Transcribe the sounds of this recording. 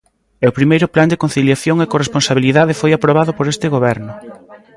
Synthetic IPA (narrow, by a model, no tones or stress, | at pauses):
ɛopɾimejɾʊpland̪ekon̟θiljaθjoŋekoresponsaβ̞iliðaðefojapɾoβaðʊpoɾest̪ɪɣoβ̞ɛɾnʊ